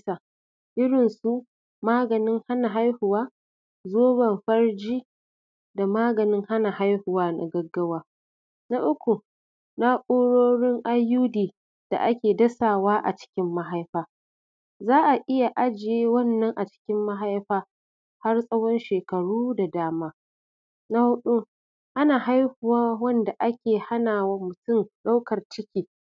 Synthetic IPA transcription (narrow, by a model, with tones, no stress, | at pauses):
sa˨ | ʔɪ˦ɽɪ˨nsu˦ | maː˦ɡɐ˨nɪ˦ŋha˦na˨ɦa˦jhʊ˨waː˦ | zoː˦bɐ˨mɸɐ˦rd͡ʒiː˦ | da˨maː˦ɡɐ˨nɪ˦ŋha˦na˨ha˦jhʊ˨waː˦na̰˨ɡɐ˦ɡːɐ˦waː˦ | na˦ʔʊ˦kʷu˨ | na˦ʔʼoː˦ɽoː˦ɽɪ˦ŋʔa˦juː˦diː˨ | d̥a̰˨ʔa˦kʲeː˨dɐ˦saː˨waː˦ʔa̰˨t͡ʃɪ̥˦kʲɪ˦mːa˦ɦa˦jɸaː˦ | zaː˦ʔa˨ʔɪ˦ja˨ʔa˦d͡ʒɪ˨jeː˦wɐ˦˨nːɐ˦ŋʔa˨t͡ʃɪ̥˦kʲɪ˦mːa˦ɦa˦jɸaː˦ | ha˦rsʼɐ˦wɔ˦nʃeː˨kɐ˨ɽuː˦da˨daː˦maː˦ | na˦hʊ˦ɗu˦ | ʔa˦naː˨ha˦jhʊ˨waː˦wɐ˦nda˨ʔa˦kʲeː˨ha˦naː˨wa˦mʊ˨tʊ˦˨mɗa˦wkɐ˨rt͡ʃɪ˦kʲiː˨